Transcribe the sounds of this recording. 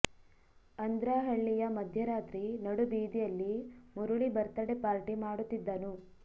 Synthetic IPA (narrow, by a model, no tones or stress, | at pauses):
ɐnd̪ɾaːɦɐɭːijɐmɐd̪ʱjɐɾaːt̪ɾinɐɽubiːd̪ijɐlːimuɾuɭibɐɾt̪ɐɽepaːɾʈimaːɽut̪ːid̪ːɐnu